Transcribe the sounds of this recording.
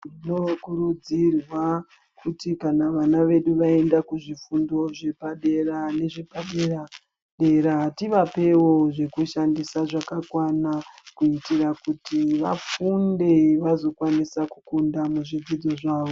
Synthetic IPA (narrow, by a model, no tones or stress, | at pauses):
rinokurud͡zirwa | kʰutikanaʋanaʋe̞ɗuʋae̞ndakuʐifundo̞ʐe̞paɗe̞rane̞ʐepaɗera | ɗe̞ɾaɦatiʋape̞wo̞ʐe̞kuʃandisaʐakakwanakuitirakutiʋa̰funde̞ʋazo̞kwanisaku̥kundamuʐid͡zid͡zo̞ʐaːʋo